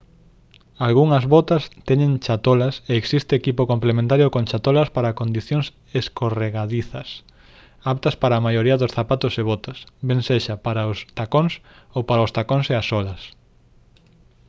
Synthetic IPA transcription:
alɣuŋɐzβɔt̪ɐst̪ɛɲẽŋt͡ʃat̪olɐseːksist̪eːkipokomplemẽnt̪aɾjokõnt͡ʃat̪olɐspaɾakond̪iθjoŋs | eskoreɣaðiθɐs | apt̪ɐspaɾaːmajoɾiɐðʊsθapat̪ʊseβɔt̪ɐsbeŋseʃɐpaɾaʊst̪akoŋs | owpaɾaoʊst̪akõŋseasɔlɐs

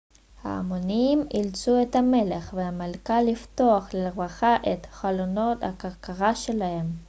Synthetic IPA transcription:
ha̰amonimilt͡suet̪hame̞leχvehamalkalːift̪o̞aχleʁmaχaʔet̪χalono̞t̪hakaʁkaʁaʃelahe̞m

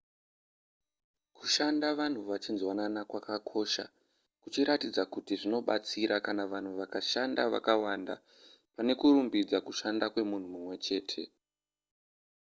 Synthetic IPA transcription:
ku̥ʃandaʋan̤uʋat͡ʃinzwananakwakakʰo̞ʃa̰ | kut͡ʃiɾatid͡zakutiʐino̞ɓat͡siɾʔakanaʋan̤uʋakaʃandaʋa̰kawanda̰ | pane̞kuɾumbid͡zakuʃandakwe̞mun̤umumwe̞t͡ʃe̞ːtʰe̞

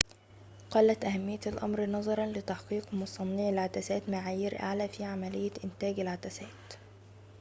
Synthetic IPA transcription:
qɑlːæt̪ʔæhæmːɪjːælʔɑ̰mɾnɑzˤɑɾˤɑnlɪt̪ɑħqiːqmʊsˤɑnːiʕɪlʕat̪æsæːt̪maʕaːjiɾʔa̰ʕlæːfiʕamælɪjːæʔɪnt̪æːɡɪlʕat̪æsæːt̪

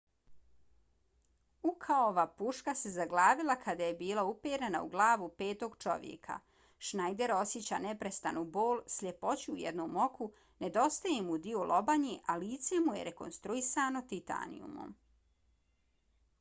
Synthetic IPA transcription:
ukʰaooʋapuʃkase̞zaɡlaːʋilˠakʰad̪ajebiːlˠaupeɾena̰ṵɡlˠaːʋupe̞ːt̪o̞ɡt͡ʃo̞̰ʋjḛkʰa̰ | ʃnajd̪e̞ɾo̞sjet͡ɕa̰nepɾest̪anubo̞ːlˠsʎʲepo̞t͡ɕuːjed̪numo̞kʰu | ne̞d̪o̞st̪ajemud̪iolʔo̞baɲiʔaliːt̪se̞mujḛɾeko̞̰nst̪ɾuisaːno̞t̪it̪a̰nḭjṵmo̰m

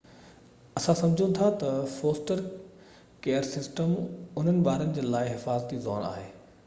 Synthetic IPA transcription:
ɐsãsɐ̃md͡ʑʱũt̪ʰat̪ɐfoːsʈəɾ | keːəɾsɪsʈəmʊn̤ənɪ̆ɓaːɾənɪ̆d͡ʑeːlaːɪɦɪfaːzət̪izɔːna̰ːɦeː

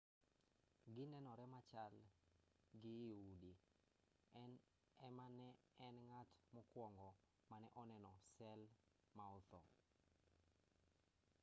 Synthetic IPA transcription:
ɡɪnɛnɔɾɛmat͡ʃal | ɡɪːudi | ɛn | ɛmanɛɛnŋatmɔkwɔŋɡɔ | manɛʔɔnɛnɔsɛl | maɔt̪ɔ

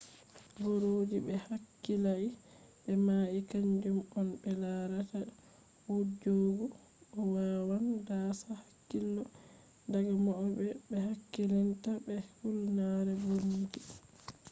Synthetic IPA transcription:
ɡoɾoːd͡ʒibɛhakːilaibɛmaːʔikaɲd͡ʒumɔnbɛlaːɾata | wud͡ʒoɡu | ɔwawandaːsahḁkːilːɔ | daɡamɔɔbɛbɛhakːilintabɛfulnaːɾɛbomud͡ʒi

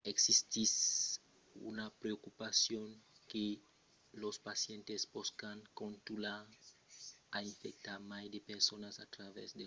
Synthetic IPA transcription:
eksist̪is | ṵnapɾeokupasjoŋke | lospasjent̪esboskaŋkõnt̪ula | aiɱfek̚t̪aɾmajd̪epeɾsonasat̪ɾavɛ̰zd̪e

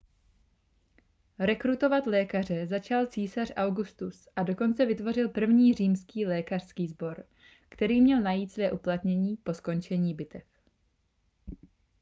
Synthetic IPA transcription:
ɾɛkɾut̪o̞vat̪lɛːkar̝ɛzat͡ʃalt͡siːsarʔawɡust̪usʔado̞ko̞nt͡sɛvɪt̪vo̞rɪlpr̩vɲiːr̝iːmskiːlɛːkar̥skiːzbo̞ɾ | kt̪ɛɾiːmɲɛlnajiːt̪svɛːʔuplat̪ɲɛɲiːpo̞sko̞nt͡ʃɛɲiːbɪt̪ɛf

